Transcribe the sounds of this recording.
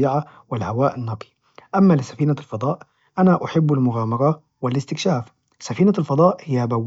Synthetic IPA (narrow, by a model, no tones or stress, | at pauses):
ʕa | wɪlhawaːʔɪnːɑːqʰi̥ | ʔamːalɪsafiːnalfɑd̪ˤɑːʔ | ʔanaʔaħɪbːalmʊɣaːmɑɾˤɑ | wɪlɪst̪ɪkʃaːf | safiːnalfɑd̪ˤɑːʔhɪjabawː